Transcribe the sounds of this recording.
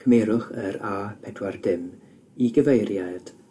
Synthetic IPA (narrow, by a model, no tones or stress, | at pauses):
kʰəmeːɾʊχəɾaːpʰɛdwardɪm | iɡəvejɾjad̥